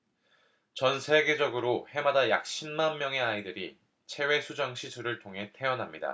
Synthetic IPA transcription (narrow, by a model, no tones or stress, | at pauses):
t͡ɕʌnsʰe̞ɡe̞d͡ʑʌɡɯɾohe̞madaja̰k̚ɕ͈ʰinmanmjʌŋe̞aidɯɾi | t͡ɕʰe̞we̞sʰud͡ʑʌŋɕʰisʰuɾɯɭtʰoŋɦe̞tʰe̞ʌnɦamɲida̰